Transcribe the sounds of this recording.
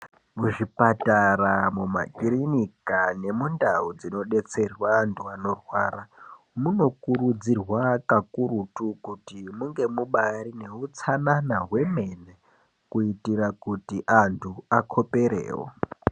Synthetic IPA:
muʐipataɾamuma̰kiɾinikane̞mundaud͡zino̞ɗe̞t͡se̞rwaːntʰuano̞rwaːra | muno̞kuɾud͡zirwakakuɾutukutimuŋɡe̞muɓaɾine̞ut͡sananaɦwe̞me̞ne | kuitirakutiʔantʰuakʰo̞pe̞ɾḛːwo̰

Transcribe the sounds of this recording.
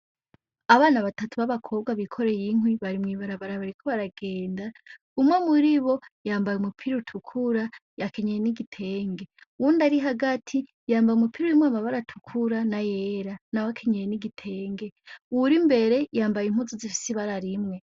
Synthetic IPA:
aβaːnaβatatʰuβaβakʰo̞βɡaβikʰo̞ɾe̞jiŋwiβaɾimŋiːβaɾaβaɾaβaɾikʰo̞βaɾaɡe̞ːnda | umŋwamuɾiβo̞jaːmbajumupʰiɾutʰukʰuɾajakʰe̞ɲejeniɡitʰe̞ːŋɡe̞wundaɾiɦaɡatʰi | jaːmbajumupʰiɾuɾimwaːmaβaɾatʰukʰuɾanajeɾanawakʰe̞ɲejeniɡitʰe̞ːŋɡe̞uɾimbe̞ɾe̞jaːmbajim̥uzozifi̥siβaɾaɾimŋe̞

